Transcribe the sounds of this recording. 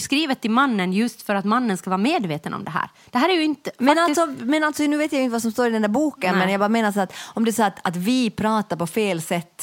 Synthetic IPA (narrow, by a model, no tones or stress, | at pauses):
skɾiːvət̪ʰːɪlmanːənjɵst̪fœɾat̪manːənskavɑːɾameːd̪veːt̪ənɔ̰md̪ɛɦæ̰ːɾ | d̪̥ɛɦæːɾɛɾjɵɪnt̪əmɛnalsɔmɛnalt̪sɔnʉːveːt̪jajʊɪnt̪əvasɔmst̪oːɾɪd̪ɛnd̪æɾbuːkənmɛnjɑbɑɾameːnasːɾat̪ɔmd̪ɛsɔːat̪at̪vɪpʰɾɑːt̪aɾpɔfeːlsɛt̪ː